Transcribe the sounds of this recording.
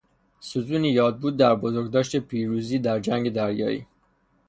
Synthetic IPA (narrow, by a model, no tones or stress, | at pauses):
sut̪uːnijɒːd̪̚buːd̪̚ːæɾbozoɾɡd̪ɒːʃt̪e̞pʰiːɾuːziːd̪æɾd͡ʒæŋɡe̞d̪æɾjɒ̰ːḭː